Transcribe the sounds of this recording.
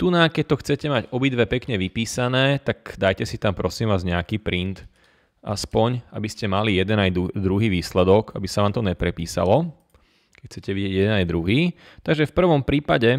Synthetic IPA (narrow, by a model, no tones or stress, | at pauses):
t̪unakɛc̚t̪ɔxt͡sɛcɛmaɟɔbid̪ʋɛpɛkɲɛʋipiːsanɛːt̪aɡd̪ajcɛsit̪ampɾɔsiːmʋaːzɲɛakiːpɾint̪ | ʔa̰spɔɲabiscɛmalijɛd̪ɛnaj̪ud̪ɾuɦiːʋiːslɛd̪ɔɡabisaʋaːmt̪ɔɲɛpɾɛpḭːsa̰lɔ | kɛcxt͡sɛcɛʋiɟɪɛɟjɛd̪ɛnajd̪ɾuɦiː | t̪aɡʒɛfpr̩ʋɔmpɾiːpaɟɛ